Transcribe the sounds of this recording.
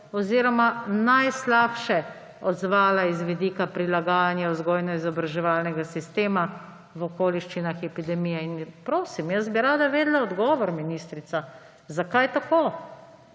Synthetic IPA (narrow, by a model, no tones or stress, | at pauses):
ɔziːɾɔmanajslaːpʃɛ | ɔd̪zʋaːlaizʋid̪iːkapɾilaɡaːjanjauzɡɔːjnɔizɔbɾaʒɛʋaːlnɛɡasist̪eːma | ʋɔkoːliʃt͡ʃinaxɛpid̪ɛmiːjɛinpɾoːsimjəzbiɾaːd̪aʋeːd̪laɔd̪ɡɔːʋɔɾminist̪ɾit̪sa | zakajt̪akoː